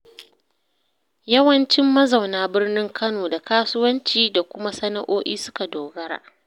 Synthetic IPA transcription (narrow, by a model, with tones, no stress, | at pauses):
jɐ˦wɐ˦nt͡ʃɪ˦mːɐ˦za˨wnaː˦bɪ˦rnɪ˦ŋkʰɐ˦noː˨da˨kaː˦sʊ˦wɐ˦nt͡ʃiː˦da˨kʷʊ˦ma˦sɐ˦na̰˨ʔoː˦ʔiː˦sʊ˦ka˨doː˨ɡɐ˦ɽa̰ː˨